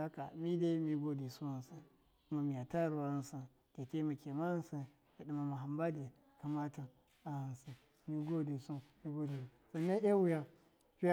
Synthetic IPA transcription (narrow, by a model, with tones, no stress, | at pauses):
a˦ka̰˨mi˦de˦mi˦ɡo˦di˨su˦a˨n˨sa˨ | u˦ma˨mi˨ja˨ta˦ɾu˨wa˦nsa˨n | ke˨te˦ma˨ke˨ma˦nsa˨ | a˨di˨ma˨ma˨ɦa˨mba˦de˨ | ka˨ma˦ta˨ | a˨ha˨n˨sa˨ | mi˦ɡo˦di˨su˦mi˦ɡo˦di˨ | sa˨nːa˦ʔa˦wu˨˦ja˦ | pi˦